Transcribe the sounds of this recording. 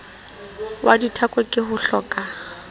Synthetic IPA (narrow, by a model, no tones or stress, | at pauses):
wʔaditʰakʼwekʼɪhʊɬɔkʼa